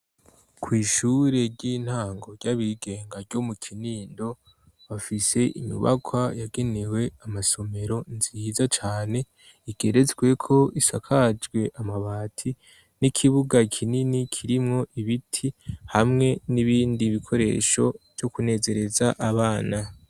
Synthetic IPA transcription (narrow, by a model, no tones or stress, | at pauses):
kʰwiːʃuɾe̞ɾɟiːn̥haːŋɡo̞ɾɟaβiɡe̞ːŋɡaɾɟo̞mukʰiniːndo̞ | βafise̞ʔḭmṵβa̰kʰwajaɡe̞newe̞amaso̞me̞ɾo̞nziːzat͡ʃaːne̞ | iɡ̥e̞ɾe̞zɡwe̞kʰo̞isakʰad͡ʒɡwe̞ʔamaβaːtʰi | nikʰiβuɡakʰininikʰiɾimŋo̞ʔiβitʰihamŋe̞niβiːndiβikʰo̞ɾe̞̰ːʃo̞v̥jo̞kune̞ːze̞ɾe̞zaʔaβaːna